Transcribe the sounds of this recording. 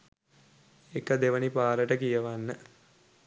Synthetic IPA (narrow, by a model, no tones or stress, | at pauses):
ekəd̪eʋənipaːɾəʈəkijəʋanːə